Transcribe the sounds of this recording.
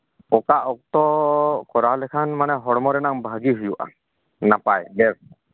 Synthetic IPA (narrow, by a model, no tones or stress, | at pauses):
ɔkaʔɔk̚t̪ɔkɔɾaɔlɛkʰanmanɛɦɔɽmɔɾɛnaŋbʱaɡiɦujuʔa̰ | napajbɛs